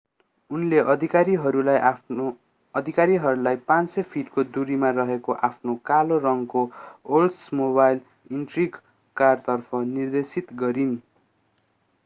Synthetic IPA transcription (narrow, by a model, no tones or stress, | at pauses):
unleʔʌd̪ʱikaɾiɦʌɾulajʔ | ʌd̪ʱikaɾiɦʌɾulajpãnsʌpʰiʈkod̪uɾimarʌɦekoʔapʰnokalorʌŋkoolsmobajl | inʈriɡ | kart̪ʌrpʰʌnird̪esit̪ɡʌɾin